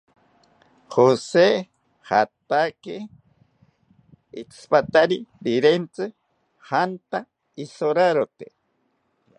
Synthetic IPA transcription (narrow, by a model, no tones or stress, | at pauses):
hose | ha̰t̪ake | it͡sʰɨ̥pat̪aɾiɾiɾent͡sɨ | hant̪a | isoɾaɾot̪e